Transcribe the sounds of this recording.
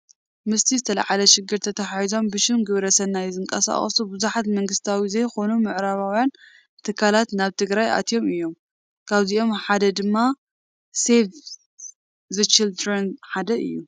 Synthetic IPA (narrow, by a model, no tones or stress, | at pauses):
mɨst̪ʰizɨt̪ʰɐla̰ʕalɐʃɪɡːɨɾt̪ʰɐt̪ʰɐħajizo̞mbɨʃɪmɡɨβɾɐsɐnːajzɨŋkʼɐ̰sa̰χʼɐ̰subɨzuħat̪mɐŋɡɨst̪ʰawizɐjxo̞numɨʕɾaβawjan | t̪ʰɨkʰːalat̪naβt̪ʰɨɡɾajʔa̰t̪ʰijo̞mɨjːo̞m | kʰaβziʔo̞mħad̪ɐd̪ɨmːa | sef | zɨt͡ʃild̪ɾɐnħad̪ɐʔɨ̰jːu